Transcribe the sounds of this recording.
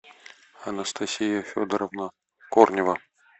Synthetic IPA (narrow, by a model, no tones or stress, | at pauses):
ɐnəst̪ʰɐsʲijəfʲod̪əɾəvnə | kornʲɪvə